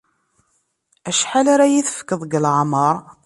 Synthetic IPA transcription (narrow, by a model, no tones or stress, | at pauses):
æʃħalaɾajiθə̥fə̥kːəðˤɡəlʕməɾˤ